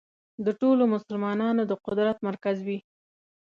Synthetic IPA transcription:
d̪əʈolomʊsʊlmɑnɑnod̪əqʊd̪ɾat̪maɾkazwi

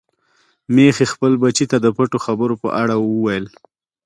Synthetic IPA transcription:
mexexpəlbat͡ʃit̪ad̪əpəʈoxabəɾopə̰ʔaɽawəwajəl

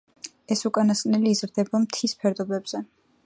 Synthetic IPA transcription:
ɛsukʼanaskʼnɛliːzɾd̪ɛbamt̪ʰispʰɛɾd̪ɔbɛbz̥ɛ

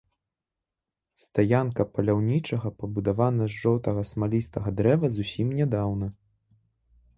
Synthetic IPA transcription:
st̪ajankɐpɐlʲawnʲit͡ʂɐɣɐpɐbud̪avanɐzːɔwt̪ɐɣɐsmalʲist̪ɐɣɐd̪ɾɛvɐzusʲimnʲɛd̪awnɐ

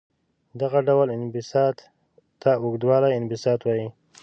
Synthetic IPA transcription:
d̪aɣaɖawalɪnbɪsɑt̪ | t̪ːaʊɡd̪wɑɾajɪnbɪsɑt̪wɑji

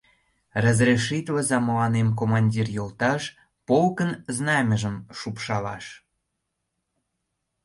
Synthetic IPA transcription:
rəzrʲeʃit̪ləzɑməlɑnemk̬omɑnʲdʲirjolt̪ɑʃ | polkənznɑmʲəʒə̆mʃupʃɑlɑʃ

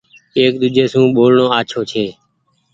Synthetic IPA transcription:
eːk̚ɗ̪ʊd͡ʒʱeːsũːɓoːlɳõːaːt͡ʃʰoːt͡ʃʰeː

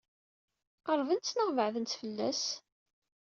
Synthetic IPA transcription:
əɾˤvənt͡sːnəʁvəʕðənt͡s̪fəlːæ̰s

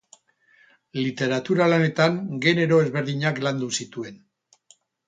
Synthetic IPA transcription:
lit̪e̞ɾat̪uɾalane̞t̪aŋɡe̞neɾo̞e̞zβe̞ɾðiɲakland̪usit̪ue̞n

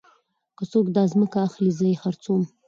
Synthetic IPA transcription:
kəsukdazmɨkʰaːχlizɨiχart͡sʰum

